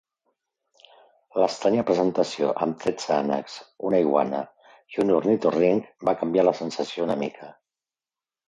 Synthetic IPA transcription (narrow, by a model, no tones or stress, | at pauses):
ləst̪ɾaɲəpɾəzənt̪əsio̰ʔə̰mt̪ɾɛd͡zanə̰kzunajɣwa̰nə̰ | ʒunurnit̪oriŋkbakəmbjaləsənsəsiounəmḭkʰə